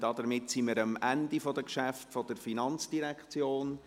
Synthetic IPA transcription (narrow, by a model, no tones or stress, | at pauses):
d̥ɑdəɾmɪtsiməɾəmʔændifɔd̥əkʃæftfɔd̥əɾfinɑnt͡sd̥iɾɛkχt͡sjoːn